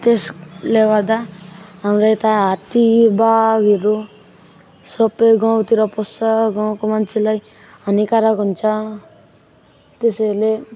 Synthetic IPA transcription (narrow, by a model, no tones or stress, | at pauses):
t̪esleʋad̪aamɾajt̪aat̪ibaɡiɾu | sɔpeɡɔ̃wt̪iɾɔpɔsaɡɔ̃wkɔmant͡ʃilaj | anikaɾakɔnt͡ʃa | t̪esele